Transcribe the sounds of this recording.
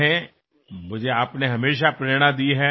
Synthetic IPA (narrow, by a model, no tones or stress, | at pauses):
ɦɛ̃ | mʊd͡ʒʱeaːpneɦɐmeːʃ̬apɾeɽ̃ãd̪iːɦɛː